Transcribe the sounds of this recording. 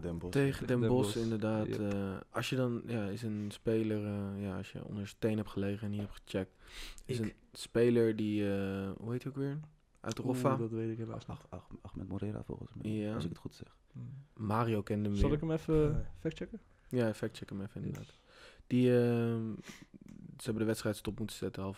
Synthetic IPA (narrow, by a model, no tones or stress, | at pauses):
dɛmbtejχədɛmbɔsɪndəɹdaːtəɑsjədɑnjaːɪsənspejləɹəjaːɑ̰sjə̰ɔ̰ndəɹsətejnɦɛpχəlejχəɛniɦɛpχə̥t͡ʃɛk̚tsən | spejləɹdiəɦuɦejtokʋɪːɹən | ʔœ̰tərofadtʋejtɪkɛ | ɑxmɛtmoɾɪɾa̰fo̰lˠχə̰nsmɛasɪkətχutsɛ̰χ | maːɾiowkɛndəmlɪkəmɛfəfɛk̚t͡ʃɛkə | jaːɛfɛk̚t͡ʃɛkəmɛfəɪndəɹda̰ːt | d̥iə | səɦɛbəndəʋɛtstrɛjtstɔpmutə̥sɛtəɑlˠf